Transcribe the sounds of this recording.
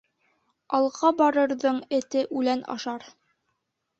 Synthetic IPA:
ɑlˠʁɑbɑɾɤ̆ɾðɤɴɘ̆t̪ɘʔʉlænɑ̰ʃɑɾ

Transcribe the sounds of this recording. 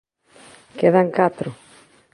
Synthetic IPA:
keðaŋkat̪ɾʊ

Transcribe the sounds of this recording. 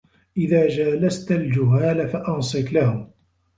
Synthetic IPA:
ʔɪðaːd͡ʒaːlast̪ald͡ʒʊɦaːlafaʔɑnsˤɨklahʊm

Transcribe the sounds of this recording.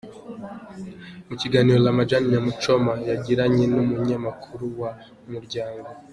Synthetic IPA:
muciɡaːniːɾolamad͡ʒanijamut͡ʃo̞majaɟiɾaɲe̞numuɲamakʰuɾuwa | muɾɟaːŋɡo

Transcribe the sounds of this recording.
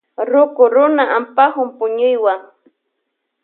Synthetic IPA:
ɾʊkʊɾʊnaʔampahʊmpʊɲʊjwaŋ

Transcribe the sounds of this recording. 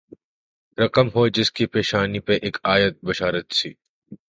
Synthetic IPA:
ɾɐkəmɦod͡ʒɪskipeːʃaːnipeʔeːkaːjət̪̚bɐʃaːɾət̪sḭː

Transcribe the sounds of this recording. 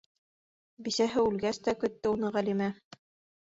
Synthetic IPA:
bisæɦɘʉlɡæst̪ækɵ̆t̪ːɘunɤʁælimæ

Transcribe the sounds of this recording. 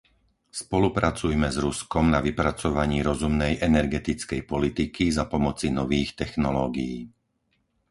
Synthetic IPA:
spɔlupɾat͡sujmɛzɾuskɔmnaʋipɾat͡sɔʋaɲiːɾɔzumnɛjʔɛnɛɾɡɛt̪it͡skɛjpɔlit̪ikizapɔmɔt͡sinɔʋiːxt̪ɛxnɔlɔːɡijiː

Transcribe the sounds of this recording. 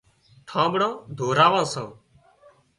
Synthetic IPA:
ʈʰãːɓɽãːd̪ʱoːɾaːʋãːsãː

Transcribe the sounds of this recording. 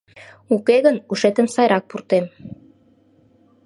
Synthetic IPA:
ukeɣənuʃet̪əmsɑjɾɑk̚purt̪em

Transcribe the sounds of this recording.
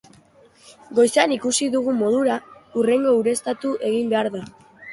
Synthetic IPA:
ɡo̞jsanikusiðuɣ̞umo̞ð̞uɾaure̞ŋɡo̞uɾe̞st̪at̪uʔe̞ɣimbe̞aɾða

